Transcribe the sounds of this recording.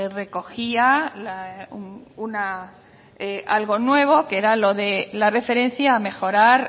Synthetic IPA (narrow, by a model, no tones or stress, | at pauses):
re̞ko̞xialaununa | ealɣo̞nwe̞β̞o̞keɾalo̞ðelare̞fe̞ɾẽ̞n̟θjaːme̞xo̞ɾaɾ